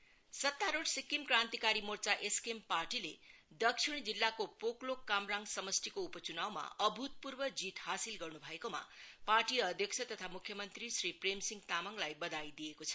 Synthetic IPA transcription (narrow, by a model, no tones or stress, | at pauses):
sʌt̪ːaɾoʈsikːimkrant̪ikaɾimort͡saʔeskemparʈiled̪ʌksʰiɽ̃d͡zilːakopoklokːamraŋɡsʌmʌst̪ʰikoupʌt͡sunawma̰ʌbʱut̪̚purbʌd͡zit̪hasilɡʌrnubʱʌekoma̰parʈiʌd̪ʱjʌkt͡sʰʌt̪ʌt̪ʰamukʰjʌmʌnt̪risripremsiŋɡt̪amʌŋlajbʌd̪ajd̪ijekot͡sʰʌ̥